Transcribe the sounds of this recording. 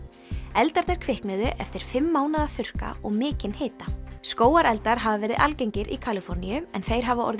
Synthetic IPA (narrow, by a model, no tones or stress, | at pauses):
ɛlt̪aɾt̪ɛɾ̥kʰvɪhknɪðʏʔɛft̪ɪɾ̥fɪmːaːwnaðafʏr̥ka̰ɔɣmɪːcɪnheːt̪askoːwaɾɛlt̪aɾ̥ɦavavɛːɾɪ̰ðʔa̰lcejɲcɪɾʔḭkʰalɪfɔɾnijʏɛnθejɾ̥ɦavaʔɔ̰ɾðɪ